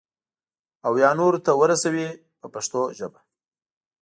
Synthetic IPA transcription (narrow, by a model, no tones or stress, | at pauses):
awjɑnoɾt̪awəɾasawi | pəpaʂt̪oʒəba